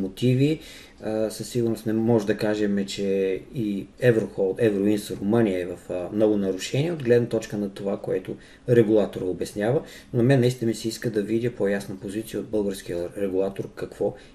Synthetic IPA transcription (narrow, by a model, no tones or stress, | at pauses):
mot̪ivi | səsːiɡʊɾnosnɛmɔʒɛd̪ɐkaʒɛmɛt͡ʃɛiɛvɾoxɔlˠt̪ɛvɾoinsɾʊmɤnijəɛvɐfmnɔɡʊnɐɾʊʃɛniɛod̪ɡlɛd̪nət̪ɔt͡ʃkənɐt̪ovakoɛt̪ʊ | ɾɛɡulˠat̪oɾəobɛsnʲjavə | nɐmɛnːɐist̪inəmisɛiskəd̪ɐvid̪ʲəpʰojasnəpozit̪sijəod̪̚bɤlˠɡəɾsk̟iəɾɛɡulˠat̪oɾkɐkv̥ɔ